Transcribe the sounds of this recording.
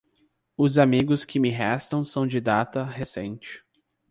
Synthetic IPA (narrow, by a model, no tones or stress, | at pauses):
ʊzamiɡʊskɪmɪɦɛst̪ɐ̃w̃sɐ̃w̃d͡ʒɪd̪at̪ɐɦesḛ̃nt͡ʃɪ̥